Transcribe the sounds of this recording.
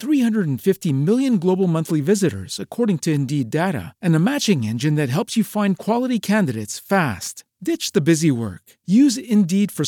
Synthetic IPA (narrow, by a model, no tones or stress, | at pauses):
θɹihʌ̃ndɹəɾ̃n̩fɪftimɪlˠjɨ̃nɡloʊbl̩ˠmʌ̃nθlivɪzɨɾə̰˞z̥ɨkʰɔɹɾɪ̃ŋtʰɨɨ̃ndideɾɨ̰ɨ̃nɨmæt͡ʃɪ̃ŋɛ̰̃nd͡ʒɨ̃nðɨt̚ɦɛlˠpsjɨfãɪ̃nkʰw̥ɑlˠəɾikʰæ̃ndɨɾeɪtsfæst | d̥ɪt͡ʃðɨbɪziwɜ̰˞k | jʉzɪ̃ndid̥fə˞